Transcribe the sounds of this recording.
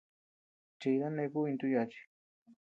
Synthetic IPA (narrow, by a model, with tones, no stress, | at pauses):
t͡ʃi˧jɾa˦ne˧ku˦i˧nt̪u˦˧ja˧t͡ʃi̥˧